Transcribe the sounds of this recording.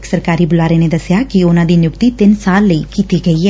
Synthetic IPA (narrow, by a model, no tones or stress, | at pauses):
ksɐɾkaːɾiːbʊlaːɾened̪ɐsɪjakiʊnãːd̪iːnjʊkt̪it̪ɪnsaːlːəikiːt̪iɡɐiɦɛː